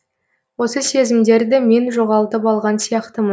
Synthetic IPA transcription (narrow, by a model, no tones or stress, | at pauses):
wo̞səse̞zɪmd̪e̞ɾd̪ɪme̞nʒo̞ʁɑlˠt̪əpɑlˠʁɑnsijɑqt̪əmə